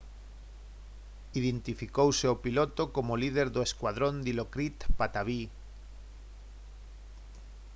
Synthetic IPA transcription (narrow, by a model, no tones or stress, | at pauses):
iðent̪ifikowseopilot̪okomolið̞eɾðoeskwað̞ɾond̪ilokɾit̪pat̪aβi